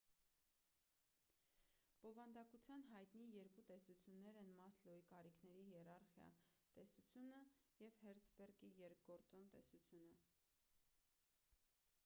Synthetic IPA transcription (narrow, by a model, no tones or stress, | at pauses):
b̥ɔvɑnd̪ɑkut͡sʰjɑnɦɑjt̪nijɛɾkut̪ɛsut͡sʰjunːɛɾɛnmɑslɔikɑɾikʰnɛɾijɛrɑɾχjɑ̰t̪ɛsut͡sʰjunəjɛvhɛɾt͡sʰbɛrkijɛɾk̚ʰɡɔɾt͡sɔnt̪ɛsut͡sʰjunə